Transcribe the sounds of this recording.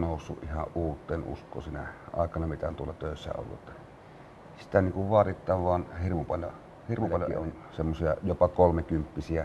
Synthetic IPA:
noˑusːuʔʔihɑ̰ʔʔuːt̪ːˑeːnʔṵskˑo̰ːsiːnæʔɑ̰ˑekɑnɑmit̪æont̪uolːɑt̪øˑesːæ̰o̰lːṵet̪ːɑ | si̥t̪æniːŋkuʋʋɑt̪it̪ːˑɑːʋʋɑːnhirmupɑljo̰ | hirmuɑljo̰on | semːosiɑjopɑkolmekympːisiæ

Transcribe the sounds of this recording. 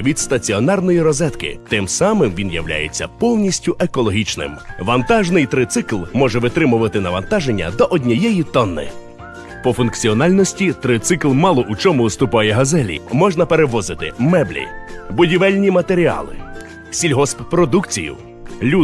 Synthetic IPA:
ʋʲid̪st̪ɐt͡sʲiɔnɑrnɔjiɾɔzɛt̪kɪ̰t̪ɪmsɑmɪmʋʲinjɐ̰wlʲa̰jet͡sʲːɐpɔwnʲisʲtʲʊʔekɔlˠɔɦʲit͡ʃnɪ̰mʋɐnt̪ɑʒnɪjt̪ɾɪt̪sɪklˠmɔʒɛʋɪt̪ɾɪmʊʋɐt̪ɪnɐʋɐnt̪ɑʒenʲːɐ̰d̪ɔʔɔdʲnʲɐjɛjit̪ɔnːɪ̰ | pɔfʊnkt͡sʲiɔnɑlʲnɔsʲtʲit̪ɾɪt̪sɪklˠmɑlˠɔʔut͡ʃɔmʊst̪ʊpɑjɛɦɐzɛlʲḭmɔʒnɐpeɾeʋɔzɪt̪ɪ̰mɛblʲḭbʊdʲiʋɛlʲnʲimɐt̪eɾʲiɑ̰lˠɪ̰ | sʲilʲɦɔsppɾɔd̪ukt͡sʲḭjʊ̰ | lʲu

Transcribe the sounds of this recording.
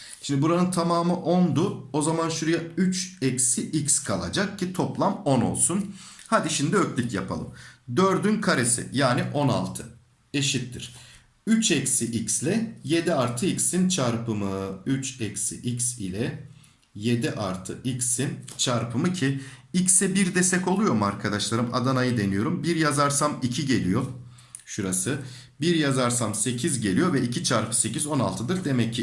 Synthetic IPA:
ʃimd̪ɪbuɾanɯnt̪ʰamaːmɯʔo̞nd̪ʊo̞zamanʃuɾujayt͡ʃɛcsiʔicskʰalˠa̰d͡ʒak̚cʰit̪ʰo̞plˠamo̞no̞̰lˠsun | had̪iʃimd̪iøcʲlʲycja̰pʰa̰lˠɯ̰md̪øɾd̪ynkʰaɾesɪ̰jaːnɪʔo̞na̰lˠt̪ʰɯ | e̞ʃit̪ːiɾ̥ | yt͡ʃɛcsiʔicslʲɛje̞d̪iaɾt̪ʰɯicsint͡ʃʰaɾpʰɯmɯyt͡ʃɛcsḭʔicsḭlʲɛ | je̞d̪iʔaɾt̪ʰɯ̰ʔicsint͡ʃʰaɾpʰɯmɯcʰiicsɛbiɾd̪ɛst̪ɛco̞lˠujo̞maɾkʰad̪aʃlˠaɾɯma̰d̪anajɯd̪e̞nijo̞ɾumbiɾjazaɾsamicʰiɟe̞lʲijo̞ | ʃuɾasɯ | biɾjazaɾsamse̞cʰizɟe̞lʲijo̞vɛicʰit͡ʃʰaɾpʰɯ̥se̞cizo̞na̰lˠt̪ʰɯd̪ɯɾd̪e̞mɛcʰːɪ

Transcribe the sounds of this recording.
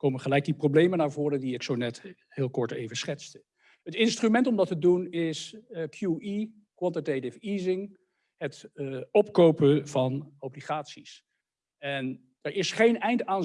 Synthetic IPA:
kowməχəlɛjk̚diprowblejmənaːɹvʊːrədiɪksownɛt | hɪːlˠkɔɹtḛjvəsχɛtst | ɦətɪnstrymɛntɔmdɑtədunɪskʰjui | kwɑntətetɪfiːzɪŋ | ɦətɔpkowpəvɑnowbliχaːtsis | ɛn | əɹɪsχejnɛjntaːn

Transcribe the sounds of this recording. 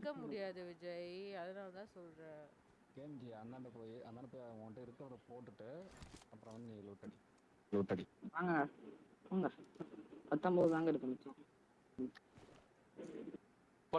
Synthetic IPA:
kːɐmʊɽɪjaːðɯʋɪd͡ʒɐjɐðɐnaːlɐt̪ãːsɔlɾɛ | keːnd͡ʒiɐnd̪aːɳʈɐpoːjiɐ̰nd̪aːɳɖɐpoːjiɐ̃ʈːɐɪɾɯkːɯɾɐɐpoːʈːɯʈːɯpːɾɐʋɐnluːʈ̪ːɐɽi | luːʈ̪ːɐɽiʋaːŋɡɐŋɡɐpoːŋɡɐ | pɐt̪ːɐ̃mboːðɯðaːŋɡɐɪɾɯkːɐmɐt͡ʃːõ | mː | p

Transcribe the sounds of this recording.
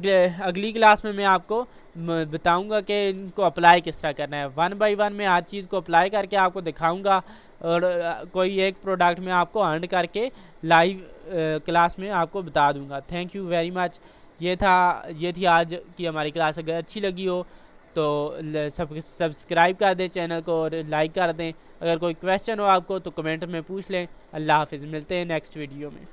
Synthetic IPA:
ɐɡliklaːsmẽmɛ̃aːp̚ko | bɐt̪aːũːɡakeɪnkoɐplaːjkɪst̪əɾakɐɾnaɦɛːʋɐnbaːɪʋɐnmẽaːd͡ʒt͡ʃiːzkoɐplaːjkɐɾkeaːp̚kod̪ɪkʰaːũːɡaː | ɔːɾkoːieːkpɾoːɖəkʈmẽaːp̚koɐ̃ɳɖkɐɾke | laːɪʋklaːsmẽaːp̚kobɐt̪aːd̪ũːŋɡaːt̪ʰɛ̃ːŋkjuʋɛːɾimɐt͡ʃ | jeːt̪ʰajeːt̪ʰiaːd͡ʒkiɦɐmaːɾiklaːsɐɡəɾɐtːʃʰilɐɡiɦoːt̪oːsɐsɐbskɾaːɪb̚kɐɾd̪ẽt͡ʃɛːnəlkoɔːɾlaːɪkːɐɾd̪ẽː | ɐɡəɾkoːikʋɛːst͡ʃənɦoaːp̚kot̪okɐmẽːɳʈmẽpuːt͡ʃʰlẽː | ɐlːaɦaːfɪzmɪlt̪eɦɛ̃nɛːksʈʋiːɖijoːmḛ̃ː

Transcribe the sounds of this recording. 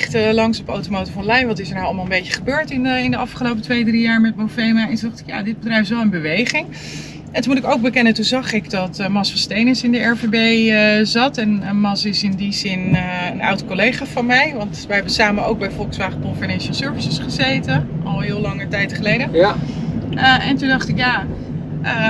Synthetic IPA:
χtəlɑŋsɔpowtomowtəfɔnlɛjʋɑtɪsəɹnaɑlˠmalˠəmbejcəχəbøːɹtɪnɪndəɑfχəlowpətʋejdrijaːɹmɛt̚mowfejmaɛnzɑχtɪ̥kja̰ːdɪd̚bədrɛjfʋɛlˠənbəʋejχɪŋ | ɛntunmutɪkowɡ̚bəkɛnətuzɑχɪkdɑtmɑsfɑnstejnəsɪndəɛɹvebejəzɑtɛnmɑsɪsɪndizɪnənɑ̰wtkolejχaːfɑnmɛjʋɑntʋəɦɛbənsaːmənowɡ̚bɛjfɔlˠksʋaːχəkɔnfənɛnʃəlˠsøɹvəsəsχəzejtəɔlˠɦɪːlˠɑŋəɹtɛjtχəlejdə | əʔɛntundɑχtɪkjaː | ʔə

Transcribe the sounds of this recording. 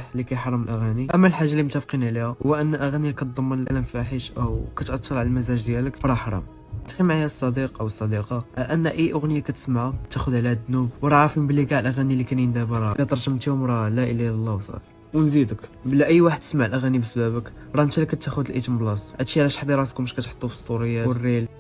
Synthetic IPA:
ħlikæjħɑɾˤːɑməlʔæɣæniʔæmːælħaʒːalːimʊt̪ːæfqinʕlihæwæʔənːlʔæɣænilkæt̪̚d̪ˤmːənəlʔæ̰læmfæħəʃʔæwkæt̪ʔɑt̪ʰːɑɾˤʕaləlmæzæʒd̪jæləkfɾˤɑħɾˤɑ̰m | t̪ximaʕjæsˤːɑd̪iqʔawəsˤːɑd̪iqɑʔənːæʔəjːʔʊɣnəjakæt̪ə̥smaʕaæt̪ːæxʊd̪ʕlihæd̪ːnubwɾˤɑʕɾəfməmbliɡaʕlʔæɣænilːikænjənd̪æbəɾˤɑlit̪ˤɑɾˤʒəmt̪ihʊmɾˤɑlæʔəlːilˤːɑwsˤɑ̰f | wnzid̪əkbəlæʔəjːwaħəd̪t̪ːə̥smaʕlʔæɣænibəsbæbək | ɾˤɑnt̪iləkːæt̪ːæxʊd̪əlʔit̪əmblɑsˤʔæt̪ʃiʕlæʃħd̪iɾˤɑskʊməʃkæt̪ħo̥t̪ˤːufə̥st̪ˤuɾəjːarːil

